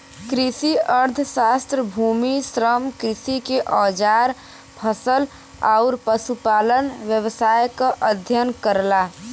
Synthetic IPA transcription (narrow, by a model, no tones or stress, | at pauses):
kɾisiəɾd̪ʱsast̪ɾəbʱuːmisɾəmkɾɪsikeʔɔːd͡ʒaɾ | pʰəsəl | aʊɾpəsupaːlənʋjəʋsaːjkaʔəd̪ʱjənkəɾla